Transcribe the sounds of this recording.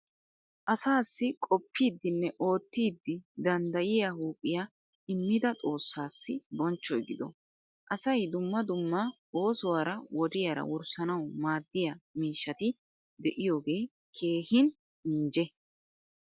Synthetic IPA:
ʔɐsaːsːɪkʼɔpːiːd̪ːɪnːɛʔo̞ːt̪ːiːd̪ːɪd̪ɐnd̪ɐjɪjahuːpʼːɪja | ɪmːɪd̪ɐt̪ʼo̞ːsːaːsːɪbɔnt͡ʃːɔjɡɪd̪ɔ̰ | ʔɐsɐjd̪ʊmːɐd̪ʊmːa | o̞ːsʊwaːɾɐwɔd̪ɪjaːɾɐ̰wʊɾsɐnɐwmaːd̪ːɪjɐmiːʃːɐt̪ɪ | d̪ɛʔɪjo̞ːɡeː | kʰe̞ːhɪn | ɪnd͡ʒɛ

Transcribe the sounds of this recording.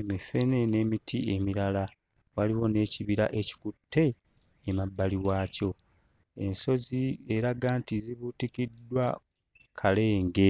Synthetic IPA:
emife̞ne̞neːmitʰie̞miɾala | waliwo̞ne̞ːciβiɾa̰ʔe̞ci̥kutːe̞ːmabːaliwaːco̞e̞nso̞zie̞ɾaɡaːntiziβutikidːwa̰ | kʰale̞ːŋɡe̞

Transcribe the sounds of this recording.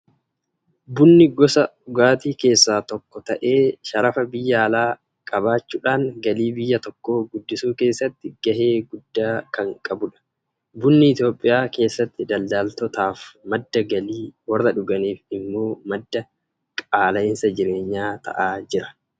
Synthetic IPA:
bʊnːɪɡɔsɐʊɡaːt̪iːke̞ːsːaːt̪ɔkːɔt̪ɐʔe̞ːʃɐɾɐfɐbɪjːɐːlaː | kʼɐbaːt͡ʃːuːᶑaːŋɡɐliːbɪjːɐt̪ɔkːo̞ːɡʊd̪ːɪsuːke̞ːsːɐt̪ːɪɡ̥ɐhe̞ːɡʊd̪ːaːkɐŋkʼɐbʊᶑɐ̥ | bʊnːɪɪt̪jo̞ːpʼːɪjaːke̞ːsːɐt̪ːɪd̪ɐld̪aːlt̪ɔt̪aːfmɐd̪ːɐɡɐliːwɐrːɐᶑʊɡɐniːfɪmːo̞ːmɐd̪ːɐ | kʼaːlɐɪnsɐd͡ʒɪɾe̞ːɲːaːt̪ʰɐ̰ʔaːd͡ʒɪɾɐ̥

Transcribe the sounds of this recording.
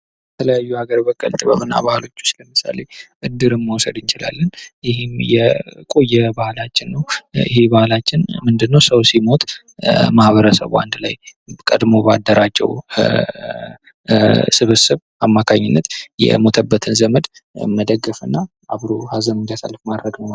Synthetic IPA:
bət̪ʰələjajːuhaɡəɾbəkʼə̰lt̪ʼɨβə̰βɨnːa̰bahlo̞t͡ʃːu̥st͡ʃːləmɨsa̰le̞ʔɨd̪ːɨɾɨnməwsəd̪ɨnt͡ʃɪla̰lːənjɪhɪmjɛkʼo̞jːɛbahlat͡ʃːɪnːəwjɪ̰ɦebahlat͡ʃːɪnmɨnd̪ɨnːəwsəwsimo̞t̪ʼ | mahβəɾəsə̰βʔa̰nd̪la̰jkʼə̰d̪moba̰d̪ːəɾat͡ʃd͡ʒɛ̰w | sɨβɨsɨβ | amːakʰaɲːɪnːət̪jɛ̰mo̞t̪ʰəbːət̪ʰɨnzəməd̪məd̪əɡːɨfɨnːa | ʔaβɾohazənɨnd̪asə̰lfmad̪ɾəɡnəw

